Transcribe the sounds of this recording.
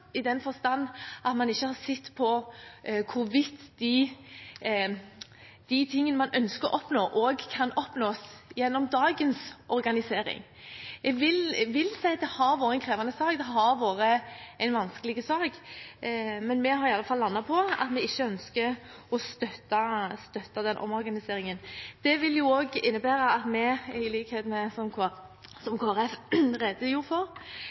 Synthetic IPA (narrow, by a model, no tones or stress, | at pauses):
ɪd̪ɛnfɔɾst̪ɑnːʔɑt̪mɑnɪçːəhɑɾsɪt̪ːpʰɔ | kʰʊɾʋɪt̪ːd̪ɪ | d̪̥ɪt̪ʰɪŋːənəmɑnœnskəɾɔʔɔpnoːʔoːɡkʰɑnɔpnoːsjɛnːɔmd̪ɑːɡənsʔɔɾɡɑnɪseːɾɪ̰ŋ | ɛɡʋɪlʋɪlsæɪd̪ɛhɑɾʋoːɾəɛnkʰɾeːʋɑnəsɑːkd̪ɛɦɑɾʋoːɾəæɪnʋɑnskəlɪɡəsɑːɡ | mɛnmɛɦɑɾɪɑlːəfɑlːɑnːɑpʰɔɑ̰t̪mɛɪçːəœnskə | ɔst̪œt̪ːɑst̪œt̪ːɑd̪ɛnʔɔ̰mɔɾɡɑnɪseːɾɪŋənd̪̥ɛʋɪljʊoːɡɪnːəbæːɾɑɑt̪mɛɪliːkheːd̪mɛsɔmʰ | sɔmkʰoːæɾɛfɾɛd̪əjuːɾfɔɾ